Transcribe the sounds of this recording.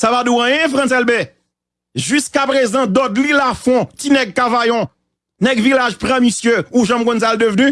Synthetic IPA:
savad̪uʁãjɛ̃fʁãt̬ɛlbɛ | ʒyskapʁezɑ̃d̪ɔdlilafɔ̃tinɛɡ̚kavajɔ̃ | nɛɡvilaʒpʁãmisjøuʒãmkɔ̃ns̬ald̪əvny

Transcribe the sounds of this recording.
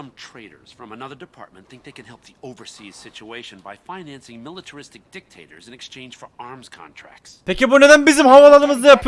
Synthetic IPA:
ʌ̃mtʰɹ̥eɪɾə̰˞z̥fɹʌ̃mənʌðə˞dɨpʰɑ̰ɹt̚mə̃nt̪θɪ̃ŋk̚ðeɪkɨ̃nhɛlˠp̚ðioʊvə˞siz̥sɪt͡ʃueɪʃɨ̃nbajfaɪnæ̃nsɪ̃ŋmɪlˠətʰə˞ɪstɨk̚d̥ɪk̚tʰeɪɾə̰˞zɨ̃nɛkst͡ʃʰẽɪ̃nd͡ʒ̥fə˞ɑɹmz̥kʰɑ̰̃ntʰɹ̥æ̰k̚tsspʰecibune̞d̪ænbizimhavalˠanɯmɯzd̪ajapʰ

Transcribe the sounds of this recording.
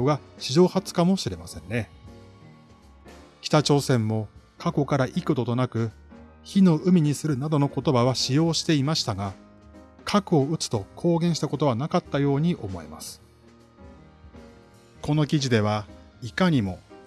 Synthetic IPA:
oɡaɕiʑo̞ːhat͡sɨ̥kamo̞ɕiɾe̞masẽ̞nːe̞ | kʲi̥t̪at͡ɕo̞ːsẽ̞mːo̞kʰako̞kaɾaʔikɯt̪o̞t̪o̞nakɯ̟ | çino̞ɯ̟mʲiɲ̟isɨɾɯ̟nad̪o̞noko̞t̪o̞baβaɕijo̞ːɕi̥t̪e̞imaɕi̥t̪aɡa | kʰakɯ̟o̞ɯ̟t͡sɨ̥t̪o̞kʰo̞ːɡẽ̞ɰ̃ɕi̥t̪ako̞t̪o̞β̞anakat̪ːajo̞ːɲ̟iʔo̞mo̞ḛma̰sɨ̥ | ko̞no̞kʲiʑid̪e̞β̞aikaɲ̟imo̞

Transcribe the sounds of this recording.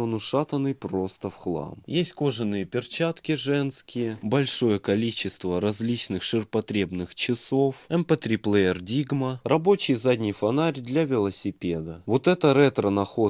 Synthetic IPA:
onʊʂat̪ənɨjpɾost̪əfxlˠa̰mjesʲtʲko̞ʐɨnːɨjəpʲɪrt͡ɕat̪kʲɪʐɛnskʲɪjəbɐlʲʂo̞jəkɐlʲit͡ɕːɪst̪vəɾɐzʲlʲit͡ɕnɨxʂɨrpɐt̪ɾʲe̞bnɨxt͡ɕɪsofɛmpɛt̪ɾʲiplˠɛjɪrdʲiɡmərɐbo̞t͡ɕɪjzadʲnʲɪjfɐnaɾʲd̪lʲavʲɪlˠəsʲɪpʲed̪əvo̞t̪ɛt̪əɾɛt̪ɾənɐxo̞

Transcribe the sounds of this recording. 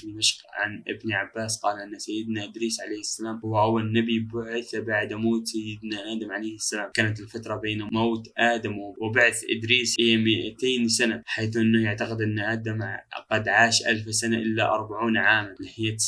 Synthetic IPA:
lmaʃʕa̰nʔɪ̰bniʕabːaːsqɑːlʔɪnːasajːɪd̪naʔɪd̪ɾiːsʕalejhɪsːalaːmhʊwːahʊwːanːabibʊʕɪθabaʕd̪moːt̪sajːɪd̪naʔaːd̪amʕalejhɪsːalaːmkaːnat̪ɪlfat̪ɾˤɑbeːnmawt̪ʔaːd̪amwɪbaʕθʔɪ̰d̪ɾiːsʔɪjːamɪʔat̪eːnsanaħaːθʔɪnːahjaʕt̪aqɪd̪ʔɪnːʔaːd̪amqɑd̪ʕaːʃʔa̰lfsanaʔɪlːaʔɑ̰ɾˤbaʕuːnʕaːmanlɪhɪjːa

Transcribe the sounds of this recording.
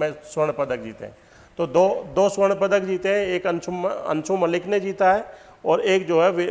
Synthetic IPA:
mɛ̃swəɽ̃pɐd̪ək̚d͡ʒiːt̪ḛɦɛ̰̃ | t̪oːd̪oːd̪oːswəɽ̃pəd̪əkd͡ʒiːt̪eɦɛ̃eːkɐ̃nt͡ʃʰoɐ̰̃nt͡ʃʰomɐlɪknẽd͡ʒiːt̪aɦɛː | ɔːɾeːk̚d͡ʒoːɦɛʋe

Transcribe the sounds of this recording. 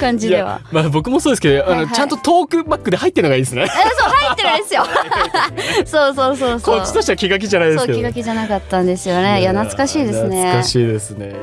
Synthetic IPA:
kãɲd͡ʑij̪e̞βa̰mabo̞kɯ̟mo̞soːd̪esɨkeoanot͡ɕãnt̪o̞t̪o̞ːkɯ̟bakːɯ̟d̪e̞hait̪ːeɾnoɡaiːd̪esɨneasoːhaitt̪ːeaid̪esɨjo | so̞ːso̞ːsoːskot͡ɕːi̥t̪o̞ɕt̪eakʲiɡak̬ʲiʑanaid̪eosːkkiɡak̬ʲiʑanakat̪ːãnd̪e̞sɨjo̞ne̞janat͡sɨ̥kaɕiːd̪e̞sɨne̞kaɕiːd̪e̞sɨne

